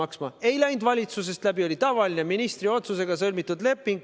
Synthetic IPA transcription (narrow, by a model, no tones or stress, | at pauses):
ɑksmɑe̞jlæjnd̪vɑlʲit̪sus̬e̞st̪læbio̞lʲit̪ɑvɑline̞minist̪ɾio̞t̪suse̞ɡ̥ɑsɤlʲmit̪ːˑud̪le̞pːˑiŋɡ